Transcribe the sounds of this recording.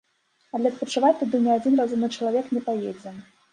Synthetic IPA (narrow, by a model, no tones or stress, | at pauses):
ɐd̪lʲɛspɐt͡ʂɨvat̪ːɨd̪ɨwnʲiad͡zʲinrazumnɨt͡ʂɐlˠavʲɛknʲɛpajɛd͡zʲɛ